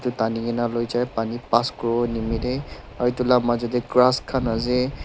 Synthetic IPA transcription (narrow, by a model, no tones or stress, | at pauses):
tʊtaniɡɛnalojzajpanipaskɔɹɔnimidɛ | aɹitulamazɔdɛɡɹaskʰanazɛ